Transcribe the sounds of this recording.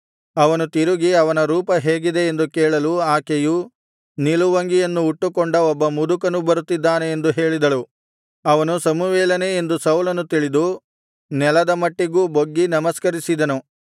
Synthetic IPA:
ɐʋɐnut̪iɾuɡiɐʋɐnɐɾuːpɐɦe̞ːɡid̪e̞ːnd̪ukɛːɭɐluaːkeju | niluʋɐŋɡijɐnːuːʈːukɔɳɖɐɔbːɐmud̪ukɐnubɐɾut̪ːid̪ːaːne̞end̪uɦe̞ːɭid̪ɐlu | ɐʋɐnusɐmuʋɛːlɐneend̪usɐwlɐnut̪iɭid̪u | nɛlɐd̪ɐmɐʈːiɡuːboɡːinɐmɐskɐɾisid̪ɐnu

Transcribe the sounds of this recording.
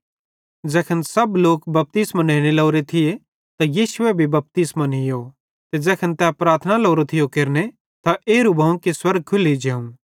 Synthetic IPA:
d͡ʒɛːkʰənsɐbloːkbɐp̚t̪ɪsmaneːɽ̃elɐːɾet̪ʰɪe | t̪ajiːsʊebʱibɐp̚t̪ismanɦɪjo | t̪ed͡ʒɛːkʰənt̪ɛpɾaːɾt̪ʰənaloːɾot̪ʰɪjokeːɾne | t̪aʔeːɾubʱɐũkiswɐɾɡ̚kʰʊlid͡ʒeːũ

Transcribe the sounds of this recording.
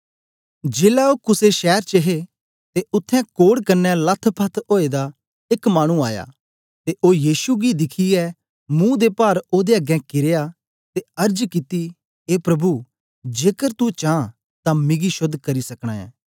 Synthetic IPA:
d͡ʒeːlaoːkʊseʃɛːɾt͡ʃəɦe | t̪eʊt̪ʰːɛ̃koːɽkɐɾnːɛlɐt̪ʰpʰət̪ʰoːed̪a | ɪkmaːɽ̃ũaːja̰ː | t̪eʔoːjiːsuɡid̪ɪkʰiɛ | mũd̪epaːɾoːd̪eɐɡɛ̃kɪɾeːja | t̪eɐɾd͡ʒkɪt̪i | eːpɾɐbu | d͡ʒeːkəɾt̪ut͡ʃãː | t̪ãmɪɡiʃʊd̪kɐɾisɐkɽ̃a̰ːɛ̰̃ː

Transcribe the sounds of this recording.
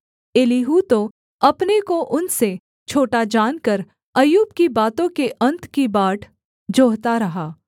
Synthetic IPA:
eːliɦut̪o | ɐpnekoʔʊnse | t͡ʃʰoːʈad͡ʒaːnkəɾ | ɐjuːbkibaːt̪õkeʔɐ̃nt̪kibaːʈʰ | d͡ʒoːɦt̪aɾɐɦaː

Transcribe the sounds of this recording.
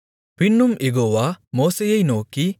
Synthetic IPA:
pinːumeɡowamɔːsejejnoki

